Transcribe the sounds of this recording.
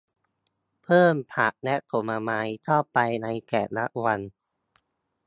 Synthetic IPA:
pʰɤː˥˩mpʰa˨˩ʔ̚nɛ˦˥ʔt̪ʰo˨˩˦maː˧maː˦˥jt̪ʰɔː˥˩pːa˧jna˧jkɛː˨˩t̪̚na˦˥ʔ̚wa˧n

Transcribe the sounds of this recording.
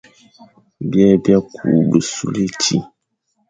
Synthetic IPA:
bjɛ˦bja˦kʰuː˨bɨ˨su˦le˦t͡ʃi˦

